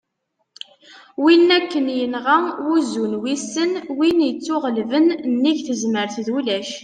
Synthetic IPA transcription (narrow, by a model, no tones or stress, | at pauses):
winːækːənjənʁæuzunwisənwinjət͡sːʊʁlvənnːiʝθəzməɾθðulæʃ